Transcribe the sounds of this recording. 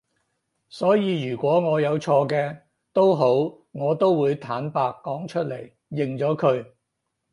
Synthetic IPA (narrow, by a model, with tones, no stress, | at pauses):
sɔː˨˥jiː˨˧jyː˨˩kʷɔː˨˥ŋɔː˨˧jɐ˨˧wt͡ʃʰɔː˧kɛː˧ | t̪o˥wɦo˨˥w | ŋɔː˨˧t̪o˥wwuː˨˧jt̪ʰaː˨˥npaː˧kːɔː˨˥ŋt͡ʃʰɵ˥t̚le˨˩j | jɪ˨ŋt͡ʃɔː˨˥kʰɵ˨˧ɥ